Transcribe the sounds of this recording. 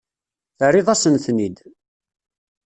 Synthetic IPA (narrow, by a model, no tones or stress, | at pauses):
θərːɪðˤɑsənθnid̪